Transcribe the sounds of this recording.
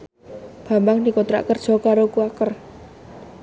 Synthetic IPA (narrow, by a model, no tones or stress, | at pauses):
b̥a̤mbaŋd̪ikont̪ɾa̰ʔkərd̥ʒ̥ɔ̤kaɾokuakər